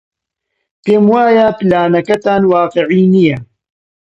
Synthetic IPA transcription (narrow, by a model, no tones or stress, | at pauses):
peːmwaːjaplaːnɐkɐt̪aːnwaːqɨʕiːnijɐ